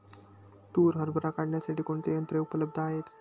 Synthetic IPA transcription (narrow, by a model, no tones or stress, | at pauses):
ʈuːɾɦəɾbʱəɾakaɳnjasaʈiːkoɳt̪ejənt̪ɾeupələb̚d̪ʱəaɦet̪